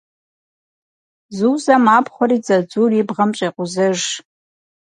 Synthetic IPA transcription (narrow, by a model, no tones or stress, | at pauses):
zuzamaːpʰχʷɔɾid͡zad͡zuribʁɐmt͡ʃʼeqʷʼʊzɨʒ